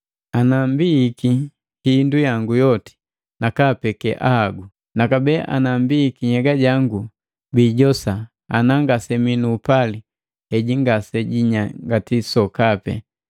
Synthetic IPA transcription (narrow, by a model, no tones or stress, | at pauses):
anambiːki | hindujaŋɡujɔti̥ | nakapɛkɛ̰ʔa̰haɡu | nakabɛːʔa̰nambiːkiɲɛɡaɟaŋɡu | biːɟɔsa | a̰naŋɡasɛminuːpali | hɛɟiŋɡasɛɟiɲaŋɡatisɔkapɛ̰